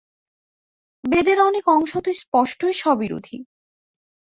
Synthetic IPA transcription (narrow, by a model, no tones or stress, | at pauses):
bed̪eɾɔnekɔŋʃot̪ojspɔʃʈojʃɔbiɾṵd̪ʱi